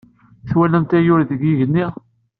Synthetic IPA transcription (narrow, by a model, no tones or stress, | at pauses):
θwælænt̪æjʊɾðəɡiʝənːi